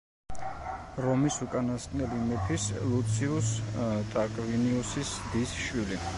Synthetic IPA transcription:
ɾɔmisukʼanast̪ʼnɛlimɛpʰislut̪sʰiust̪ʼakʼviniusisd̪isʃwili

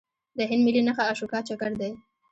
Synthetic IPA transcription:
d̪əɦɪnd̪mɪlinaxaːʃukɑt͡ʃakaɾd̪aj

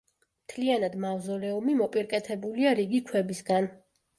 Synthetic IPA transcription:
mt̪ʰlianad̪mavzɔlɛɔmimɔpʼiɾkʼɛt̪ʰɛbuliaɾiɡikʰwɛbisɡan

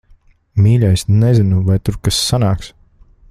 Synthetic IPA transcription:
miːlʲajsnɛzinuvajt̪uɾkasːanaːks

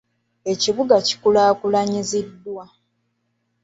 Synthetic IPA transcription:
e̞ciβuɡaci̥kulaːkulaɲizidːwa

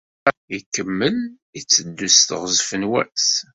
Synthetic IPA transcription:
ikːəmːəl | it͡sːəd̪ːust̪ʁzfənwæ̰s

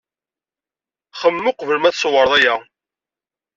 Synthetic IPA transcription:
χəmːʊqvəlmæθswəɾˤðˤæjæ

